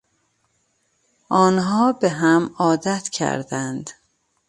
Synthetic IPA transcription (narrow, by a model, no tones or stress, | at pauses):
ʔɒːnɦɒːbeɦæmɒːd̪æt̪ʰcʰæ̰ɾd̪ænd̪